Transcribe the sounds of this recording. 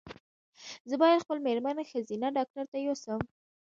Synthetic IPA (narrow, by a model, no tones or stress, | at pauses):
zəbɑjad̪xpəlmeɾmanxazinaɖɑk̚ʈaɾt̪ajosəm